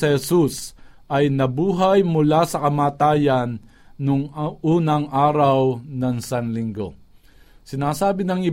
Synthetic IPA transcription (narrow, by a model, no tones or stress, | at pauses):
ɪhɛsus | ʔɐjnɐbuːɦajmʊlasɐkɐmaːt̪aːjɐnː | ʊŋuːnɐŋʔaːɾɐwnɐŋsanlɪŋɡo̞̰ | sɪnaːsaːbɪnɐŋɪ